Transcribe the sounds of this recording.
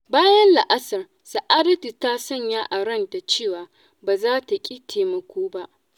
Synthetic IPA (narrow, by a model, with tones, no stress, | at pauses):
baː˦jɐ˦nla˨ʔa˦sɐ˨r | sa˨ʔaː˦dɐ˦ti˨taː˦sɔ˦˨ɲjaː˦ʔa˨ɽɐ˦nta˨t͡ʃeː˦˨waː˨ | baː˨zaː˦ta˨kʲʼi˦tʰeː˨mɐ˨kʷoː˦ba˦ʔ